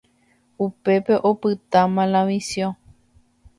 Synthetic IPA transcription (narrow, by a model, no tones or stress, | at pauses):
upe̞pe̞ʔopɨt̪ãmãlãʋisjõ